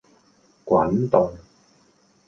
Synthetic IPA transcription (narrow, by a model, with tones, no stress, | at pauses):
kwaː˨˥nt̪ɔ˨˧˩ŋ